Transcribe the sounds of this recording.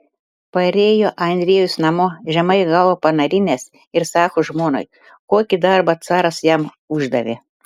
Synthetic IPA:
pɐɾʲeːjoːʔɐnʲd̪ʲɾʲiɛjʊsnɐmoːʒʲɛmɐɪɡɑʋoːpɐnɐɾʲɪnʲɛs | ɪɾsɑːkoːʒmoːno̰j | koːkʲid̪ɐɾbɐt̪sɑːɾɐsjɛm | ʊʒd̪ɐʋʲḛ

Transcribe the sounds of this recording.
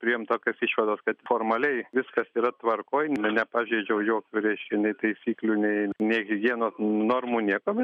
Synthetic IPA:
pʲɾʲɪjɪmt̪oːkʲoːsiʃʋɐd̪oːskɐt̪foːrmɐlʲɛɪʋʲɪskɐsiːɾɐt̪ʋɐrkoːjnnʲɛnʲɛpɑːʒʲeːd͡ʒʲɛʊjoːkʲuːɾʲɛɪʃʲkʲɛnʲɛɪt̪ɐɪsʲiːklʲunʲɛɪnʲɛɪɪɡʲiɛnoːnoːrmuːnʲiɛkoːbʲɛt̪

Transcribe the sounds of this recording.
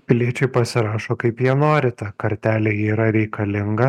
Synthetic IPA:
pʲɪlʲiɛt͡ʃʲɛɪpɐsʲɪɾɑːʃoːkɐɪpjiɛnoːɾʲɪt̪ɐkɐɾʲt̪ʲæːlʲeiːɾɐɾʲɛɪkɐlʲɪŋɡɐ

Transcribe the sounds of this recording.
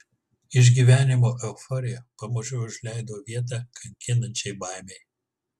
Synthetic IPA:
ɪʒ̬ʲɡʲiːʋʲæːnʲɪmoːʔɛʊfɔɾʲɪjɛpɐmoːʒʲɛʊʊʒʲlʲæˑɪd̪oːʋʲiɛt̪̬ɑkʰɐŋʲkʲɪnɐnʲt͡ʃʲɛɪbɑˑɪmʲɛɪ

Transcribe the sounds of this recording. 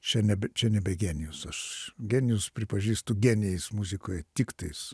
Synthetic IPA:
t͡ʃʲɛnʲɛbʲɛt͡ʃʲɛnʲɛbʲɛɡʲæːnʲɪjʊsɐʃɡʲæːnʲɪjʊspʲɾʲɪpɐʒʲiːst̪ʊɡʲɛːnʲɪjɛɪsmuzʲɪkoːjɛt̪ʲɪkt̪ɐɪs

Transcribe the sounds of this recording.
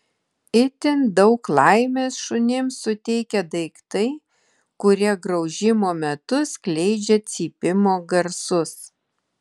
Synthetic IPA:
ɪt̪ʲɪnd̪ɒʊklˠɑɪmʲeːsʃʊnʲɪmsʊt̪ʲɛɪkʲɛd̪ɐɪkt̪ɐɪ | kʊɾʲiɛɡɾɐʊʒʲɪmoːmʲɛt̪ʊsʲklʲɛɪd͡ʒʲɛt̪sʲiːpʲɪmoːɡɐɾsʊs

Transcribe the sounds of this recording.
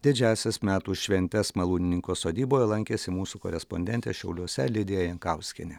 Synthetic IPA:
d̪ʲɪd͡ʒʲæːsʲɛsmʲæːt̪uːʃʲʋʲɛnʲt̪ʲɛsmɐlˠuːnʲɪnʲɪŋkoːsoːd̪ʲiːboːjɛlˠɐŋʲkʲeːsʲɪmuːsukɔ̰ɾʲɛspɔnʲd̪ʲɛnʲt̪ʲeʃʲɛʊlʲuɔsʲɛlʲɪd̪ʲeːjɛjɛŋkɑˑʊsʲkʲɪnʲɛ

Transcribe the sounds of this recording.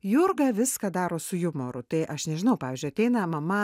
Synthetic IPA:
jʊrɡɐːʋʲɪskɑːd̪ɑːɾoːsʊjʊmoːɾʊt̪ɐɪʔɐʃnʲɛʒʲɪnɐʊpɑːʋʲiːzʲd͡ʒʲʊɐtʲɛɪnɐmɐmɐ

